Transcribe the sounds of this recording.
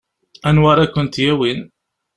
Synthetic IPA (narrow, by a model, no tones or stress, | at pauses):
ænwɑɾˤakʷːʊnt̪jæwin